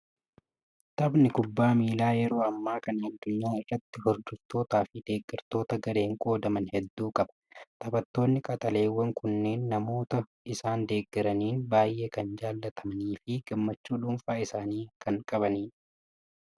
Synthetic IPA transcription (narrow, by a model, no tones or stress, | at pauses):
t̪ʼɐbnɪkʊbːaːmiːlaːjɛɾo̞ːɐmːaːkɐnɐd̪ːʊɲːaːɪrːɐt̪ːɪɦɔɾd̪ʊft̪o̞ːt̪aːfɪd̪̥e̞ːɡːɛɾt̪o̞ːt̪ɐɡɐɾe̞ːŋkʼo̞ːd̪ɐmɐnhɛd̪ːuːkʼɐbɐ̥t̪ʼɐbɐt̪ːo̞ːnːɪkʼɐt̪ʼɐle̞ːwːɐŋkʰʊnːe̞ːnːɐmo̞ːt̪ɐ | ɪsaːnd̪e̞ːɡːɛɾɐniːnbaːjʔe̞ːkɐnd͡ʒaːlːɐt̪ʰɐmɐniːfɪɡ̥ɐmːɐt͡ʃːuːᶑʊɱfaːɪsaːniːkʰɐŋkʼɐbɐniːn